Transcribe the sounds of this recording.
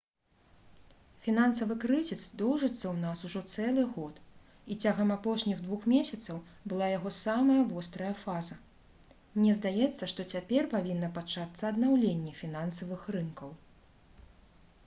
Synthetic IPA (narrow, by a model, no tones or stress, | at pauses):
fʲinansɐvɨkɾɨzʲisd̪ɔwʐɨt̪sːɐwnasuʐɔt̪sɛlˠɨɣɔt̪ | it͡sʲaɣɐmapɔʂnʲiɣd̪vuxmʲesʲɐt̪sɐwbɨlˠajaɣɔsamɐjɐvɔst̪ɾɐjɐfazɐ | mnʲɛzd̪ajɛt̪sːɐʂt̪ɔt͡sʲapʲɛrpavʲinːɐpat͡ʂat̪sːɐːd̪nawlʲenʲːɛfʲinansɐvɨxrɨnkɐw